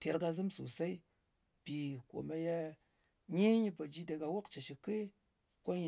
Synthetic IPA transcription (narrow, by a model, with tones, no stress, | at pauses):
te˨ɾɡa˧zɨ˦msṵ˨sa˦i˦ | pi˨ko̰˨ma˨ja˦ | ɲe˦ɲi˦pa˨d͡ʒi˦de˨ɡa˨wo˦kt͡ʃe˨ʃi˨ke˦ | kʷo˦ɲi˨